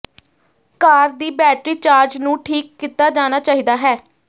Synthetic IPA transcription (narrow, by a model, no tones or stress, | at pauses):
kaːɾd̪iːbɛːʈɾiːt͡ʃaːɾd͡ʒnũːʈʰiːkːit̪ːaːd͡ʒaːnaːt͡ʃaːɦiːd̪aːɦɛː